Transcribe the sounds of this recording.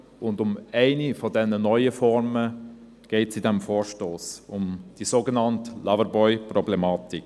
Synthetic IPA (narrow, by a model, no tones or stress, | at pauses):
ʊndʊmæɪnifɔdɛnːənɔʏəfɔɾmə | ɡ̥ɛɪtsidɛmfoːɹʃtoːsʊmd̥isoːɡənɑntlavəɾbɔʏprɔblemɑːtik